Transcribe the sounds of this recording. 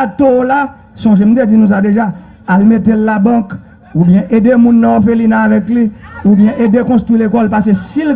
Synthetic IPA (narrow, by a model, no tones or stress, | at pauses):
at̪ola | sɔ̃ʒem̩t̪̬ed͡zinũs̬ad̪eʒa | almet̪elːabʌ̃k | ubjɛ̃ʔed̪emũnːɔ̃jofelinaːvɛkliubjɛ̃ʔedekɔ̃st̪ʁwilekɔlpas̬esil